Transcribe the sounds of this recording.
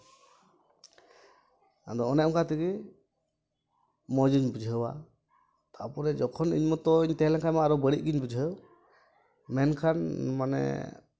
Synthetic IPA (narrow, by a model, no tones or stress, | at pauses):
a̰d̪ɔːnɛɔŋkat̪iɡi | mɔd͡ʒiɲbud͡ʒʱəwa̰ | t̪aʔpɔɾɛd͡ʒɔkʰɔnḭɲmɔt̪ɔiɲt̪ɛɦlɛŋkʰajmaaɾɔbəɽiʔ̚ɡiɲbud͡ʒʱəw | mɛnkʰanmanɛ̰